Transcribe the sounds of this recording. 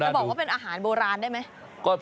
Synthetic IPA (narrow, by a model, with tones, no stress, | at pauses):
bɔ˨k̚waː˥˩pe˧nʔaː˧ɦaː˩˦nboː˧ɾaː˧ndaː˥˩jma˦˥j | kɔː˥˩pʰ